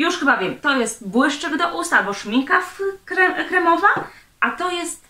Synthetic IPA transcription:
juʂxɘbavʲjɛmt̪ɔjɛst̪bwɘʂt͡ʂɛɡd̪ɔʔust̪albɔʂmʲiŋkafkɾɛkɾɛmɔva | ʔat̪ɔjɛst̪

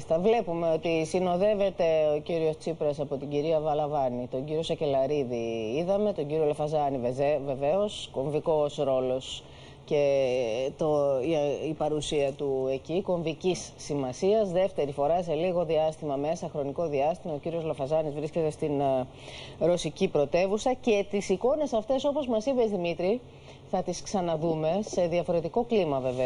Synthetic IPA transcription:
st̪ɐvle̞pume̞o̞t̪isino̞ðe̞ve̞t̪e̞o̞ciɾio̞st͡sipɾɐsɐpo̞t̪iɟiɾiɐvɐlɐvɐnit̪o̞ɲɟiɾio̞sɐce̞lɐɾiðiiðɐme̞t̪o̞ɲɟiɾio̞lɐfɐzɐniveeve̞ve̞o̞sko̞ɱviko̞sɾo̞lo̞s | ce̞t̪o | ipɐɾusiɐt̪ue̞ciko̞ɱvicisːimɐsiɐzðe̞ft̪e̞ɾifo̞ɾɐse̞liɣo̞ðiɐst̪imɐme̞sɐxɾo̞niko̞ðiɐst̪imɐociɾio̞zlofɐzɐnizvɾisce̞t̪e̞st̪in | ɾo̞sicipɾo̞t̪e̞vusɐce̞t̪isiko̞ne̞sɐft̪e̞so̞po̞zmɐsibe̞zðimit̪ɾi | θɐt̪isksɐnɐðume̞se̞ðiɐfo̞ɾe̞t̪iko̞klimɐve̞ve

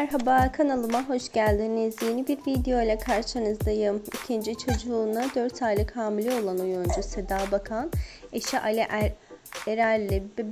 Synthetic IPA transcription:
mæɾɦabakʰanalˠɯmaɦo̞ʃɟælʲd̪inizje̞nibiɾvid̪ejo̞jlʲˠakʰaɾʃɯnɯzd̪ajɯmicʰind͡ʒit͡ʃʰo̞d͡ʒuːnad̪øɾt̪ʰajlˠɯkhaːmilʲio̞lˠanujund͡ʒuse̞d̪aːbakʰaneʃiʔalʲɛʔ | eɾæɾlʲːib

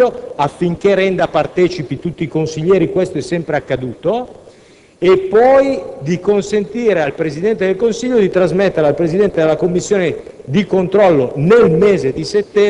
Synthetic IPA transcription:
oafːiŋk̟eɾɛnd̪apart̪ɛːt͡ʃipit̪ut̪ːiːkonsiʎːɛːɾikwest̪oɛsːɛmpɾeakːad̪uːt̪o | epːɔjd̪ikonsent̪iːɾealpɾezid̪ɛnt̪ed̪elkonsiʎːod̪it̪ɾazmɛt̪ːeɾealpɾezid̪ɛnt̪ed̪elakomːisːjoːne | d̪ikont̪ɾɔlːonelmeːzed̪iset̪ːɛ

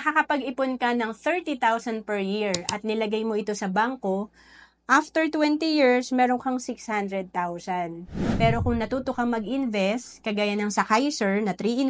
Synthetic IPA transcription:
ɐkakɐpɐɡɪponkɐnɐŋθɛɹt̪it̪awsɐnd̪̚pɛɹjiɹʔɐt̪̚nɪlɐɡajmo̞ʔɪt̪o̞sɐbaŋko̞ | ʔaft̪ɛɹt̪wɛnt̪ijiɹsmɛːɾoŋkɐŋsɪkshand̪ɾɛd̪̚t̪awsɐnpɛːɾo̞kʊŋnɐt̪uːt̪okɐŋmɐɡʔɪnvɛst̪kɐɡaːjɐnɐŋsɐkajsoɹnɐt̪ɾiːʔɪn

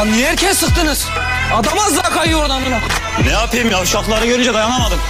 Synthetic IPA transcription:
nijɛɾcʰɛsɯq̚t̪ɯnɯz̥ | ad̪amazd̪akʰajuad̪amɯna | nɛjapʰɯjimjawʃaklˠaɾaɡøɾynd͡ʒɛd̪ajanamad̪ɯm

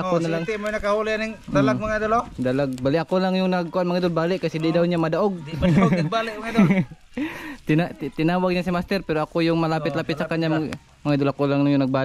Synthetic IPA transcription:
akunalaŋt̪imoinakaɦulianiŋdalamaŋad̪olɔʔdalaɡ̚baliʔakulaŋjunaɡ̚kuanmaŋid̪ʊlbalɛʔkasididaunɲamadaɔɡ̚balɛmaŋado | t̪inaʔ̪t̪inawaɡ̚ɲasimast̪ɪrpiɾuakujʊŋmalapɪt̪̚lapɪt̪sakaɲam | maŋid̪ulakulaŋjunaɡ̚ba

